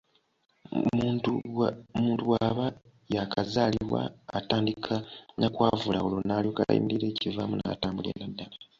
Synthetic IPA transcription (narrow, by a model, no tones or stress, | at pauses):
muːntuwaβa | jakʰazaːliiwa̰ːtaːndikʰanakwaːvulaolonaːlioka̰jḭmiɾiɾe̞ːcivamuna̰taːmbulḛnadːala